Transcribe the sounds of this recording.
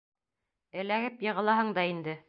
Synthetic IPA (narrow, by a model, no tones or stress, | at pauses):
ɘ̆læɡɘpjɤ̆ʁɤ̆lˠɑɦɤɴd̪ɑind̪ɘ